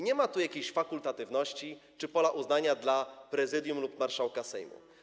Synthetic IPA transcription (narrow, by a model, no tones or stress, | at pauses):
ɲɛmat̪ujakʲeɕfakult̪at̪ɘvnɔɕt͡ɕit͡ʂɘpɔlaʔuznaɲad̪lapɾɛzɘd̪ʲjumlupmaɾʂawkasɛ̰jmṵ